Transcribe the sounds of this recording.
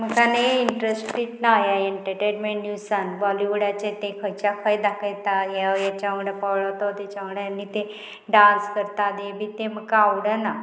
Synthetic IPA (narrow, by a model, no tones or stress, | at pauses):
m̤əkaneiɳʈɾesʈɾiʈnajajeɳʈeʈeɾmeɳʈniʋsanʋɔliʋuɽat͡ɕẽt̪ekʰəjt͡ɕakʰəjd̪akʰəjt̪ajajat͡ɕaʋəɽəpɔwɭat̪ɔt̪jat͡ɕaʋəɽəjanːit̪e | ɖãnskəɾt̪ad̪ebʱiːt̪em̤əkːawɽəna